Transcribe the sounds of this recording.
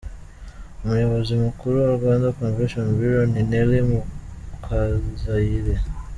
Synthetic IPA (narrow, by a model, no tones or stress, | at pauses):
muɲawazimukuɾuwauɡandakɔnvɛʃɔnbuɾɔninɛlimukʰazzailɛ